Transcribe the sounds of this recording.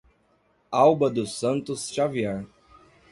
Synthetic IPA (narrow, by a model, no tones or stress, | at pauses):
awbɐd̪ʊsɐ̃nt̪ʊsʃaviɛɾ